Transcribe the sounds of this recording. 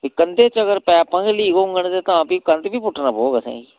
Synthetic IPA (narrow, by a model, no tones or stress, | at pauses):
ɪkənd̪eːt͡ʃəkəɾpɛːpãːkeliːɡoŋɡənd̪eːt̪ãpiːkənd̪biːpʊʈːnaːpoːɡasɛ̰̃ːɡi